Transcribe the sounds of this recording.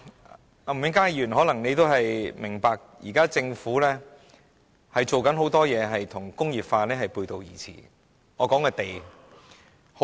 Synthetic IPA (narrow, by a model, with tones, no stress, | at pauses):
a˨˩m̩˨mɪ˨˥ŋkaː˥jjyː˨˩nɦɔː˨˥lɐ˨˩ŋne˨˧jt̪o˥wɦɐ˨jmɪ˨˩ŋpaː˧k̚jiː˨˩kaː˥t͡sɪ˧ŋfuː˨˥lɛː˥ | hɐ˨jt͡so˨wkɐ˨˥nɦo˨˥wt̪ɔː˥jɛː˨˧ɦɐ˨jt̪ʰʊ˨˩ŋkʊ˥ŋjiː˨p̚faː˧lɛː˥hɐ˨jpuː˧jt̪o˧wjḭː˨˩t͡sʰḭː˨˩ | ŋɔː˨˧kɔː˨˥ŋkɛː˧t̪e˨j | ho˨